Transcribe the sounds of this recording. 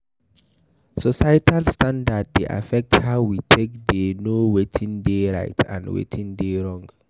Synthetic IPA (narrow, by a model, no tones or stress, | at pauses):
sɔsajitalstãndad̚ːeʔa̰fɛk̚thaʊwitʰekdenowetʰĩndeɹa̰ɪtʰã̰nwḛtʰĩndeɹɔ̃ŋɡ